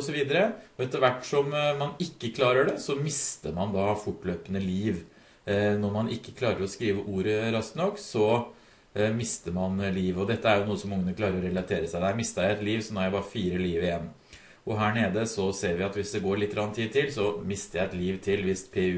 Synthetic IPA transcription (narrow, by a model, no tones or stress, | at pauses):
ɔsɔʋiːd̪əɾəɔɛt̪əɾʋæʈːsɔmmɑnɪkːəkʰlɑːɾəɖɛsɔmɪst̪əɾmɑnd̪ɑfʊʈːløːpənəliːʋ | nɔɾmɑnɪkːə̥kʰlɑːɾəɾɔskɾiːʋəʔuːɾəɾɑskt̪nɔkːsɔ | mɪst̪əɾmɑnliːʋɔd̪ɛt̪ːəæɾjʊnuːəsɔmːʊŋːənəkʰlɑːɾəɾɔɾɛlɑt̪ʰeːɾəsæɪd̪æɾmɪst̪ɑɛt̪liːʋsɔnɔɾjæɪbɑːɾəfiːɾəliːʋɪjɛnː | ʔɔɦæːɳeːd̪əsɔseːɾʋɪɑt̪ʋɪsd̪ɛɡoːɾɭɪt̪ːɾɑnt̪ʰiːd̪̚t̪ɪlsɔmɪst̪əɾjæɪɛt̪liːʋt̪ʰɪlʋɪst̪pʰeːʉ